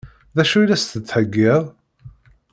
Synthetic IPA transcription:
ðæʃuilæst̪ət͡s̪ːħəɡːɪðˤ

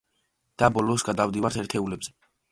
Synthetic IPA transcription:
d̪̥abɔlɔsɡad̪avd̪ivaɾt̪ʰɛɾt̪ʰɛulɛbzɛ

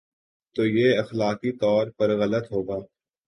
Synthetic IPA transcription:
t̪oːjeːɐxlaːkit̪ɔːɾpɐɾɣɐlət̪ɦoːɡaː

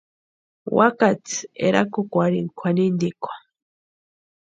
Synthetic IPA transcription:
wakat͡sḛɾakokʷaɾiŋkʷʰanind̪ikʷʰḁ

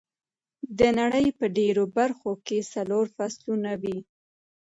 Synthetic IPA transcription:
d̪ənaɽəjpəɖeɾobaɾxokesaloɾfaslunawi

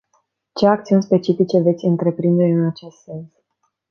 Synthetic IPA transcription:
t͡ʃe̞ak̚t̪siunʲspe̞t͡ʃifit͡ʃe̞ve̞t̪sʲɨnt̪ɾe̞pɾind̪e̞ɨnat͡ʃe̞st̪se̞ns

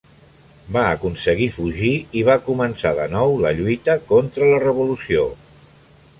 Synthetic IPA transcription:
baəkunsəɣifuʒiiβ̞akumənsaðənɔwləʎujt̪əkɔnt̪ɾələrəβ̞ulusio

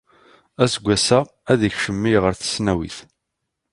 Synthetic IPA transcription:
æsəɡʷːæsæ | æðəçʃəmːijʁəɾθə̥snæwḭθ

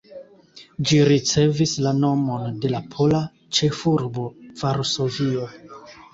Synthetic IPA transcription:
d͡ʒiɾit͡se̞vislano̞mo̞nde̞lapʰola | t͡ʃe̞fuɾbo̞v̥aɾso̞vio

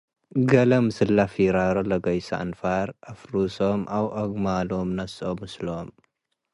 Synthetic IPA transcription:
ɡɐlɐmɨsɨlːafiɾaɾolɐɡɐjsa̰ʔɨnfaɾʔafɾusomʔawʔoɡmalomnɐsomɨsloom

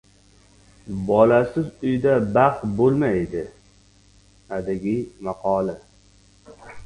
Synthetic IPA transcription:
bɒlasɪzʊjd̪abaqbolˠmajd̪ɪ | ad̪ɪɡʲijmɑqʰɒla

